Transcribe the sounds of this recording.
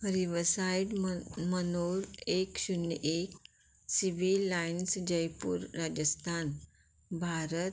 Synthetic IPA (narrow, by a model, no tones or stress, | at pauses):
ɾiʋəsaiɖmənoɾekɕunʔek | siʋilajinsd͡ʑəjpṵːɾːad͡ʑəst̪ʰan | bʱaɾət̪